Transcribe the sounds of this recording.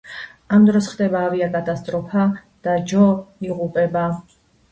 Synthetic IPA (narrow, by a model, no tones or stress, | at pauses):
amd̪ɾɔsχd̪ɛbaːviakʼat̪ʼast̪ʼɾɔpʰad̪̥ad͡ʒɔiʁupʼɛba